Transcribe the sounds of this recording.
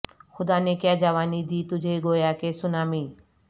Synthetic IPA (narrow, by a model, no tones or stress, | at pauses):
xʊd̪aːnekjaːd͡ʒaʋaːnid̪iːt̪ʊd͡ʒʱeɡojaːkesʊnaːmiː